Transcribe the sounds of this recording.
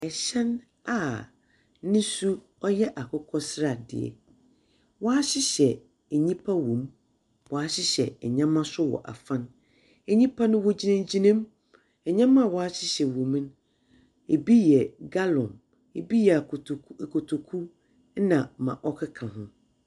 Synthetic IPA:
ɛ˨ɕɛ̃˦n | a˨ | nɪ̃˦su˦ | ɔ˦jɛ˦ʔa˨kʰʊ˦kʰɔ˦sɪ˦ɾa˨dɪ̰˨ɛ̰˨ | wɔ˦a˦ɕɪ˦ɕɛ˨ | e˨ɲĩ˦pʰa˦wõ˨m | wɔ˨a˦ɕɪ˦ɕɛ˨ɛ˨ɲã˦mã˦sʊ˦wɔ̰˨ʔa̰˨fã˦n | ɛ˨ɲĩ˦pʰa˦nʊ̃˦wɔ˦d͡ʑi˦nã˦md͡ʑi˦nã˦m | ɛ˨ɲã˦mã˦˨wɔ˨a˦ɕɪ˦ɕɛ˨wõ˨m̃˦n˦ | e˨bi˦jɛ˨ɡa˦lɔ̰̃˨m | e˨bi˦jɛ˨a˨˦˨kʰo˨tʰo˨kʰu˦ | nã˨mã̰˨ʔɔ˦kʰɪ˦kʰã˨ɦʊ̃˦

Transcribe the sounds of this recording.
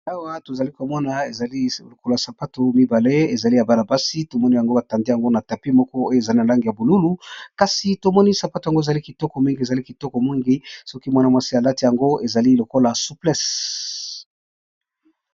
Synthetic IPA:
a˦wa˦to˨za˨li˦ko˨mɔ˦na˨e˨za˨li˦lo˨ko˦la˨sa˨pa˦to˨mi˦ba˨le˦e˨za˨li˦ja˨ba˦la˨ba˦si˦to˨mɔ˦ni˦ja˨ŋɡo˦ba˨ta˨ndi˦ja˨ŋɡo˦na˨ta˨pi˦mɔ˦kɔ˦o˦jo˦e˨za˨li˦na˨la˦ŋɡi˨ja˨bu˨lu˦lu˦ka˨si˨to˨mɔ˦ni˦sa˨pa˦to˨a˨ŋɡo˦e˨za˨li˦ki˨tɔ˦kɔ˨mi˦ŋɡi˦e˨za˨li˦ki˨tɔ˦kɔ˨mi˦ŋɡi˦sɔ˦ki˦mwa˦na˦mwa˦si˦a˨la˦ti˦ja˨ŋɡo˦e˨za˨li˦lo˨ko˦la˨su˦plɛ˦s

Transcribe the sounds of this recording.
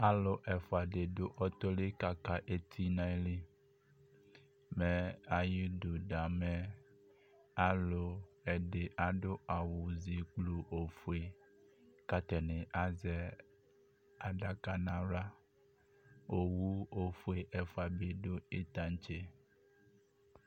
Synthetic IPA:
a˦lo˨ʔɛ˨fo˨a˨ɖe˨ɖo˦ʔɔ˦t̪ɔ˦le˦ka˨ka˦ʔe˦t̪ʰi˦nã˦li˦ | mɛ˨a˨ji˦du˨ɖa˨mɛ˦ | a˦lo˨ɛ˨ɖe˨ʔa˨ɖo˦a˨wu˨zi˨k͡plu˨ʔo˨fu˦e˨ | ka˦t̪ɛ˨nẽ˨ʔa˦zɛ˦ | a˨ɖa˨ka˦nã˨la˦ | o˨wu˦o˨fu˦e˨ʔɛ˨fo˨a˨be˨ɖo˦e˦t̪a˦ɲ˦t͡ʃe˦

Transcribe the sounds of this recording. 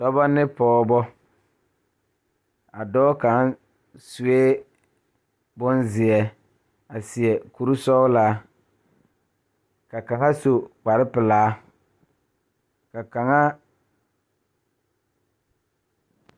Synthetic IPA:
tɔ˦bɔ˦nɪ˦pɔː˦bɔ˦ | a˨dɔː˦ka˨˦n | su˨eː˦ | bʊ˦nzɪ˨ɛ˨ | a˨sɪ˨ɛ˨ku˨ɾu˦sɔ˦ʊ˦laː˦ | ka˨ka˨ŋa˦so˨k͡pa˨ɾɪ˦pɪ˨laː˨˦ | ka˨ka˨ŋa˦

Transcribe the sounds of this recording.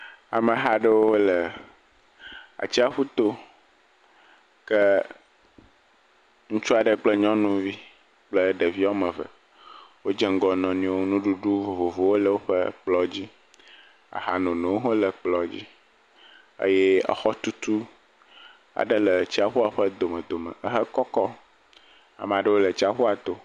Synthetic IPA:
a˨mə̃˨ɦa˨ɖə˦wo˦wo˦lə˨ | a̰˨t͡ɕi˦a˦ɸu˦t̪o˦ | kə˦ | ŋũ˦t͡ʃu˦a˨ɖə˦k͡plə˦ɲɔ̃˦nũ˦vi˦ | k͡plə˦ɖə˨vi˦a˦mə˨və̰˨ | wo˦d͡ʒɛ˦ŋ̩˦ɡɔ˨nɔ̃˨nĩ˦wo˦nũ˦ɖu˦ɖu˦vo˨vo˨vo˨wo˦lə˨wo˦ɸə˦k͡plɔ˦d͡ʑi˦ | a̰˨ɦa˨nɔ̃˨nẽ˨wo˦ɦõ˦lə˨k͡plɔ˨d͡ʑḭ˦ | ə̰˦jɛ˦a̰˨xɔ˦t̪u˦t̪u˦ | a̰˨ɖə˦lə˨t͡ɕi˦a˨ɸu˦a˨ɸə˦d̪o˨mə̃˨d̪o˨mə̰̃˨ʔə˦ɦə˦kɔ˦kɔ˦ | a̰˨m˨a˨ɖə˦wo˦lə˨t͡ɕi˦a˦ɸu˦a˨t̪o˦

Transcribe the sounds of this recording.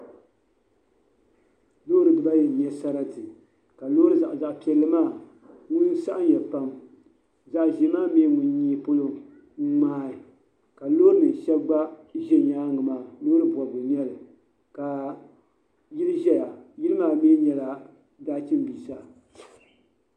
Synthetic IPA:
loː˦ɾɨ˨dɨ˨ba˦jɛ˨ɲɛ˦sa˦ɾa˦tɨ˨ | ka˨loː˦ɾɨ˦za˨ʔza˨ʔpi˨ɛ˦lːɨ˦maː˦˨ | ŋʊ˦n˦sa˦ʔa˦n˦jɛ˨pa˦m | za˨ʔʒi˨˦maː˦mi˦ŋʊ˨n˦ɲiː˦po˦lo˦ | ŋaː˦ɪ˨ | ka˨loː˦ɾɨ˦nɨ˨ʃɛ˦bɡ͡ba˦ʒɛ˦˨ɲaː˦ŋɨ˨maː˦loː˦ɾɨ˦bɔ˨bʊ˨ɲɛ˦lɨ˨ | ka˨ | ji˦lɨ˦ʒɛ˦ja˨ji˦lɨ˦maː˦˨miː˦ɲɛ˨la˨ | daː˦t͡ʃɨ˦m˦biː˨sa˦

